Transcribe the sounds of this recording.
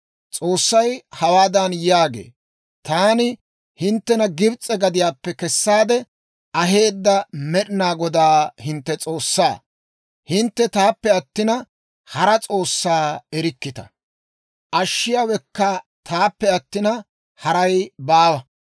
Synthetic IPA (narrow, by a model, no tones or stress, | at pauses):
t͡sʼo̞ːsːɐjhɐwaːd̪ɐnjaːɡḛː | t̪aːnɪ | hɪnt̪ːɛnɐɡɪbt͡sʼɛɡɐd̪ɪjaːpːɛkɛsːaːd̪ɛ | ʔɐɦe̞ːd̪ːɐmɛɗɪnaːɡɔd̪aːhɪnt̪ːɛt͡sʼo̞ːsːaː | hɪnt̪ːɛt̪aːpːɛɐt̪ːɪnɐ | hɐɾɐt͡sʼo̞ːsːaːɛɾɪkːɪt̪ɐ̥̰ | ʔɐʃːɪjaːwɛkːat̪aːpːɛɐt̪ːɪnɐ | hɐɾɐjbaːwɐ